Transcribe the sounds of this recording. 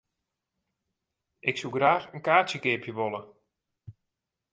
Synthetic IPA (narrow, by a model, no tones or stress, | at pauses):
ʔɪksuɡraːxənkaːtjəkɪːpjəʋolə